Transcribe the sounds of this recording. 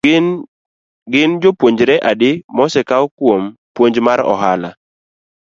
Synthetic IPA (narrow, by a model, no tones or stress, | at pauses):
ɡɪnd͡ʒopwoɲd͡ʒɾɛʔadɪmɔsɛkaɔkwompwoɲd͡ʒmaɾɔ̰ɦala